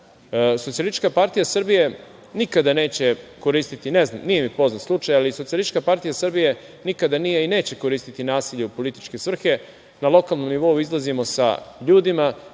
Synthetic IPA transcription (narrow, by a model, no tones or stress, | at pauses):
sot̪sialist͡ʃkapaɾt̪ijasr̩bije̞ | nikad̪ane̞ːt͡ɕe̞ko̞ɾiːst̪it̪ineznamnijemipo̞znat̪slˠut͡ʃajaliso̞t̪sialˠist͡ʃkapaɾt̪ijasr̩bije̞ | nikad̪anije̞ine̞ːt͡ɕeko̞ɾiːst̪it̪inaːsiʎeupo̞lit̪i̥t͡ʃke̞sr̩xe̞ | nalˠo̞kalˠno̞mniʋo̞uizlˠazimo̞sa̰ʎuːd̪ima